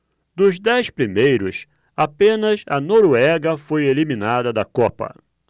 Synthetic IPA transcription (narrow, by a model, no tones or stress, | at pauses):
d̪ʊzd̪ɛjspɾimejɾʊs | apẽnɐzɐnoɾuɛɡɐfojelimĩnad̪ɐd̪ɐkɔpɐ̰